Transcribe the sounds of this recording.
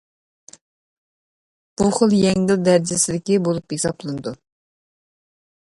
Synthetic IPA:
b̥uχəlˠjɛŋɡɪld̪æɾd͡ʒɪsɪlɪkʲibolˠuphesɑplˠɨnɨd̪u

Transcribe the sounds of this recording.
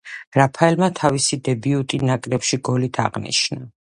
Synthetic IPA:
ɾapʰaɛlmat̪ʰavisid̪ɛbiut̪ʼinakʼɾɛpʃiɡɔlit̪ʰa̰ʁnḭʃna

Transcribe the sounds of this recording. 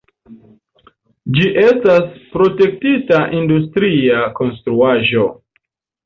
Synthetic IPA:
d͡ʒiʔe̞staspɾo̞te̞k̚titaʔindus̬tɾiako̞nstɾuaʒo̞

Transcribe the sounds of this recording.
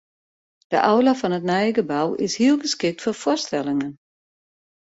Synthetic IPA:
d̥əʔawlafɔnətnɛjəɡəbawɪ̰shiəlˠɡəskɪk̚tfofʊstɛlˠɪŋən

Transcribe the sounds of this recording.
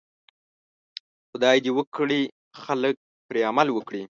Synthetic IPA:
xʊd̪ɑjd̪iwəkɽi | xalək̚ | pɾeamalwəkɽi

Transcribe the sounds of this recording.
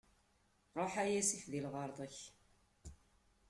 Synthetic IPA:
ɾˤoħæjæsifðilʁɑɾˤðˤəç

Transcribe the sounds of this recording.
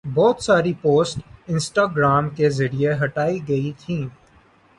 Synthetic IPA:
bɔːt̪saːɾipoːsʈɪ̃nsʈaːɡɾaːmkezɐɾieɦɐʈaːiɡɐit̪ʰĩː

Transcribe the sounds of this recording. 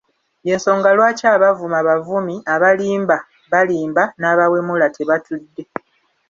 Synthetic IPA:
je̞ːnso̞ːŋɡalwaːcaːβavumaβavumiaβaliːmba | βaliːmbanaːβawe̞mulatʰeβatʰudːe̞

